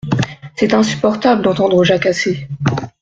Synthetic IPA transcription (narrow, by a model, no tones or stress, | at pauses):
sɛt̪ɛ̃sy̥pɔʁt̪abld̪ɑ̃t̪ɑ̃d̪ʁoʒakase